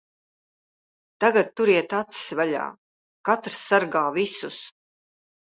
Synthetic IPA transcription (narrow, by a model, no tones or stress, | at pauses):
t̪aɡat̪̚t̪ːuɾiɛt̪at̪ssvaʎʲa̰ː | kat̪ɾsːaɾɡaːvisus